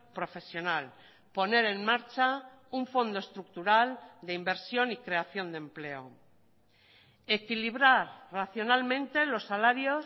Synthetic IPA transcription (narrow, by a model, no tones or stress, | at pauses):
pɾo̞fe̞sjo̞nal | po̞ne̞ɾe̞nmaɾt͡ʃa | uɱfo̞nd̪o̞e̞st̪ɾuk̚t̪uɾald̪eimbe̞ɾsjo̞nikɾe̞aθjo̞nd̪e̞mple̞o̰ | e̞kiliβ̞ɾaɾraθjo̞nalmẽnt̪e̞lo̞sːalaɾjo